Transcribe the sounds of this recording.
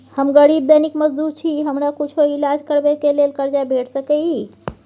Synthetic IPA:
həmɡəɽib̚d̪ənikməd͡ʒd̪uɾt͡ʃʰiɦəmɾakut͡ʃʰoilad͡ʒkəɾbekelelkəɾd͡ʒabʱeʈʰsəkə

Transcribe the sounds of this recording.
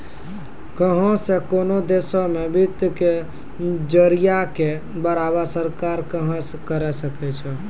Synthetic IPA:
kəɦɔ̃sekonod̪esomebʱit̪ke | d͡ʒəɾijake | bəɾabasəɾkaɾkəɦə̃skəɾɛsəkɛt͡ʃʰɛ

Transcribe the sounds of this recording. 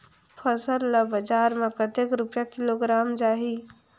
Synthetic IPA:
pʰəsəlːəbəd͡ʒaɾmekət̪ekɾupjakiloɡɾamd͡ʒaɦi

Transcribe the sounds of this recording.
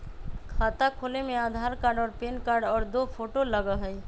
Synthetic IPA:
kʰat̪akʰoːlemẽad̪ʱaɾkaːɾɖɔːɾpeːnkaɾɖɔːɾd̪opʰoʈoləɡəɦəj

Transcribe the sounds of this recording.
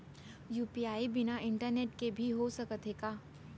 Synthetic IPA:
juːpiaːibɪnaʔɪ̃ɳʈəɾneːʈkebʱiɦosɐkət̪eːɡaː

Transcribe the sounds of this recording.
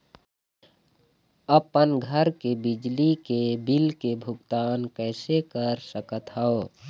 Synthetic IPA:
əpənɡʱəɾkebɪd͡ʒlikebilkebʱʊɡt̪aːnkɛːsekəɾsəkət̪ɦəo

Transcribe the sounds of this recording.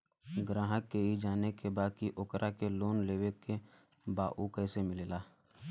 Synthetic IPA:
ɡɾaːɦəkːeɦid͡ʒaːnekebaːkiʔʊkɾʔakeloːnleːweke | baːʔukɛːsemɪleːlaː

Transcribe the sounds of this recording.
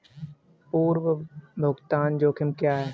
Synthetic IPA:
puːɾwəbʱʊɡt̪aːnd͡ʒoːkʰɪmkjaɦɛː

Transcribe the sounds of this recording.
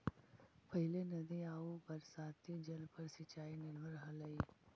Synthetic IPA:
pəɦɪlenɐd̪iaːubəɾsaːt̪id͡ʒɐlpəɾsɪt͡ʃaːinɪlʋəɾɦɐləiː

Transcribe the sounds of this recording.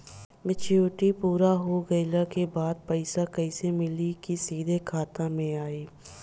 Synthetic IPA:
mɪt͡ʃjuːʈipuːɾaɦoɡɐɪlakebaːd̪̚pəɪsakəɪsemɪlikisiːd̪ʱekʰaːt̪ãmẽaːiː

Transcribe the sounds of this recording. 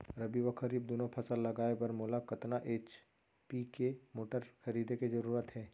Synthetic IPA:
ɾɐbiʋəkʰəɾiːb̚d̪onõpʰɐsəlːɐɡaːepɐɾmoːlakɐt̪naʔeːt͡ʃ | pikemoːʈəɾkʰɐɾiːd̪ekezɐɾuːɾət̪ɦɛː

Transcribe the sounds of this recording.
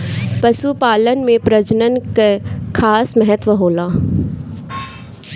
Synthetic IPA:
pɐsupaːlənmẽpɾɐd͡ʒnənkekʰaːsmɛɦət̪ʋəɦoːlaː

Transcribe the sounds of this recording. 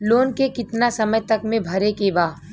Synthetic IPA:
loːnkekɪt̪nasɐməjt̪ɐkmẽbʱɐɾekebaː

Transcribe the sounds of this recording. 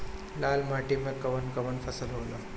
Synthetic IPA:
lalmaʈimẽkɐʋənkəʋəɳfʰəsəlɦoːla

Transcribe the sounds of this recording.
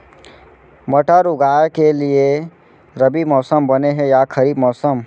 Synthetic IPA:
məʈaɾʊɡaːekelie | ɾəbimɔːsəmbəneɦɛjakʰəɾiːbmɔːsəm

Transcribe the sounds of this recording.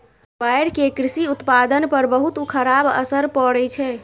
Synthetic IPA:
bajɽkekɾisiut̪pad̪ənpəɾbəɦut̪ukʰəɾabə̰səɾpəɽɛt͡ʃʰɛ

